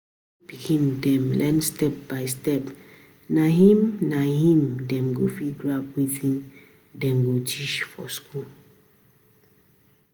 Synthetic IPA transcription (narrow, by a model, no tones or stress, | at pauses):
b̥iɡĩndɛ̃mlɛ̃nstɛp̚baɪstɛp | naɦĩmnahĩmdɛ̃mɡofiɡɹapwitĩn | dɛ̃mɡotʰiʃfɔ̰skul